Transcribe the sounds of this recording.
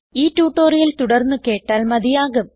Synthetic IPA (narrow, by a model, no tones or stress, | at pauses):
iːtːuːʈːoːrijɐlt̪uɽɐrnːɨke̞ːʈːaːlmɐðijaːɣɐm